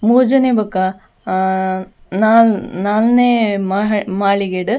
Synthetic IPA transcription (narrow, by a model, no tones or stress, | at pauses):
muːd͡ʒɐnebɐkːa | naːlnaːlnemaɦmaːɭiɡeɖ